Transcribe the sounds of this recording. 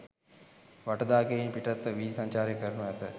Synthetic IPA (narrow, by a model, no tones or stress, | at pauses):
ʋɐʈɐd̪aːkeinpiʈɐt̪ːʋiːisɐɲt͡ʃaːɾjɐkɐɾnɐɐt̪ɐ